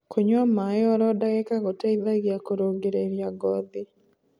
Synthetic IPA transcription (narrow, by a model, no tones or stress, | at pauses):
kʰoɲwamajɔɾɔdaɣɛkaɣɔtaiðaɡjakoɾoɡeɾeɾjaɡɔd̪ɪ